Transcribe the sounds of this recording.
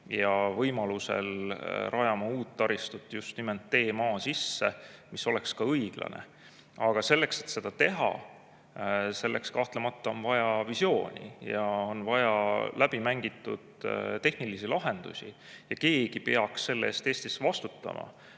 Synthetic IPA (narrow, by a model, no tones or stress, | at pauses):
jɑvɤjmɑluse̞̰lɾʔɑjɑmɑuːt̪ːɑɾist̪ut̪ːˑjust̪niment̪ːe̞ːmɑːsisːemiso̞lɛkskɑɤjɡ̥lɑ̰nḛ | ɑɡ̥ɑse̞lːe̞kset̪se̞d̪̥ɑt̪e̞ɦɑ̰ | se̞lːʔekskɑht̪lemɑt̪ːɑo̞nvɑjɑvisjo̞ːnʲḭjɑo̞nvɑjɑlʔæb̥imæŋɡ̥it̪ːˑṵd̪̥t̪e̞hnilisilɑɦe̞nd̪̥ṵsʲi | jɑke̞ːɡ̥ipeɑksːe̞lːḛːst̪e̞ːst̪isvɑst̪u̥t̪ːˑɑ̰mʔɑ̰